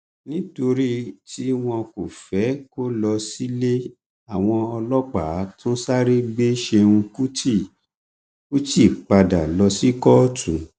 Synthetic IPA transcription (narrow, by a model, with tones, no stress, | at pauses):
nĩ˦to˧ɾi˦ti˦w̃ɔ̃˧ko˨fɛ˨˦ko˦lɔ˧si˦le˦ | a˦˨w̃ɔ̃˧ɔ˧lɔ˦k͡pa˨˦tʰũ˦sa˦ɾe˦ɡ͡be˦ʃe˧ũ˧ku˦ti˦˨ | ku˦ti˦˨k͡pa˧da˨lɔ˧si˦kɔ˦tũ˨˦